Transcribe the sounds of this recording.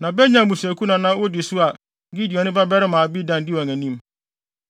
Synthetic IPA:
nã˨bɛ˦ɲã˨mũ˨sæ˨kʰu˦nã˨nã˦wʊ˦dɪ˨sʊ˦a˨ | ɡi˦di˨ɔ˨nɪ̃˦ba˦bɛ˦ɾɪ˦mãː˨bi˦dã˨ndɪ˦wɔ˨ŋæ̃˨nĩ˦m

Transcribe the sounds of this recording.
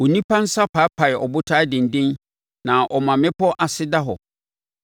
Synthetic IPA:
wo˨nĩ˦pʰã˦n̩˦sa˦pʰa˨˦pʰa˨jɛ˨ʔɔ˨bʊ˦tʰaː˦dɪ̃˨n̩˨dɪ̃˦n | nã˨ʔɔ˨mã˨mɪ̃˦pɔ˦ʔa˨sɪ˦da˦ɦɔ˨

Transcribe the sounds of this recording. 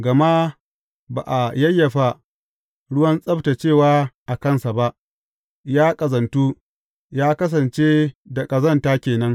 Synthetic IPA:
ɡɐ˨ma˦ʔ | ba̰ː˨ʔa˨jɐ˦jːɐ˨ɸa˨ | ɽʊ˦wɐ˦nsʼɐ˦ɸta˨t͡ʃeː˦˨waː˦ʔa˨kɐ˦˨nsa˨ba˦ʔ | jaː˦kʼɐ˨zɐ˨ntu˦ | jaː˦kɐ˦s̬ɐ˨nt͡ʃe˦da˨kʼɐ˨zɐ˦ntaː˦kʲeː˨nɐ˦ŋ

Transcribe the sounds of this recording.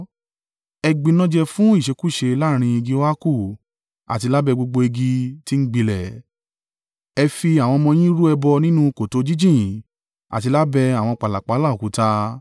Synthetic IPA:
ɛ˧ɡ͡bĩ˧nɔ̃˦d͡ʒɛ˧fũ˦i˦˨ʃe˨˧˦ku˦˨ʃe˧la˦˨ɾ̃ĩ˧i˧ɡi˦a˦ku˦˨ | a̰˨ti˧la˦bɛ˧ɡ͡bo˧ɡ͡bo˧e˧ɡi˧ti˦n̩˦ɡ͡bi˧lɛ˨ | ɛ˧fi˧a˨w̃ɔ̃˧mɔ̃˧j̃ĩ˦ɾu˦ɛ˧bɔ˧nĩ˦nũ˦ko˨to˨˦d͡ʒi˦d͡ʒĩ˦˨ | a̰˨ti˧la˦bɛ˧a˨w̃ɔ̃˧k͡pa˨la˨k͡pa˨˦la˦˨o˨ku˨˦ta˧

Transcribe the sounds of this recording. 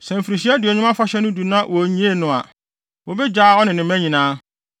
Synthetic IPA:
sɛ̃˨m̩˨fi˨ɾi˨ɕi˦æ˦dɪ˨ɔ˨ɲɪ̃˦m˦ã˦fa˦ɕɛ˦nʊ̃˦du˨nã˦wɔ˨ɲĩ˦e˦nʊ̃˨a̰˨ | wo˨bɛ˦d͡ʑaː˦ɔ˦nɪ̃˨nɪ̃˨m˦æ̃˦ɲĩ˨nãː˦

